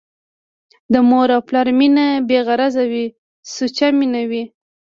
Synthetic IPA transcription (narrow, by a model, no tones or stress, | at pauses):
d̪əmoɾɑplaɾminabeɣaɾazawi | sut͡ʃaminawi